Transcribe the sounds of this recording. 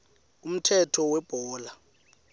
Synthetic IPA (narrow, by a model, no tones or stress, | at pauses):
um̩tʰɛtʰɔwɛb̥ʱɔːla